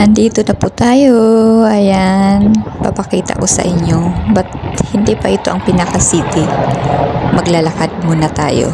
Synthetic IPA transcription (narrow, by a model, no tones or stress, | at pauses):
ʔɐnd̪iːt̪onɐput̪aːjoʔɐjanpɐpɐkiːt̪ɐ̰kosɐ̰ʔɪɲjobɐt̪̚hɪnd̪ipɐʔɪt̪o̞ʔɐŋpɪnɐkɐsiːt̪ɪ | mɐɡlalɐkad̪̚muːnɐt̪a̰ːjo̰